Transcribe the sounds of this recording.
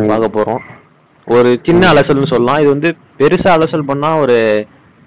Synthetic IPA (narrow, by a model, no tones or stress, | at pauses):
ʋaːɣɐpːoːɾõː | ɔɾɯt͡ʃɪnːɐːlɐsɐlnɯsɔlːɐlãːɪðɯʋɐnd̪ɯ | pɛɾɯsɐːlɐsɐlpɐɳːaːɔɾɯ